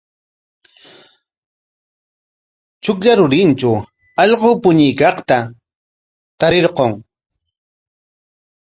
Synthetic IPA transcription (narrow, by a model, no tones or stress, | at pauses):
t͡ʃʊkʎaɾʊɾɪnt͡ʃa | ɑʎqoːpʊɲɪjkɑχt̪a | t̪aɾeɾqoŋ